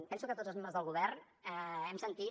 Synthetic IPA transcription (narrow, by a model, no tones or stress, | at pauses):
pɛnsukət̪otd͡zəlzmembɾəzðəlˠɣuβɛɾrn | ɛɛmsənt̪i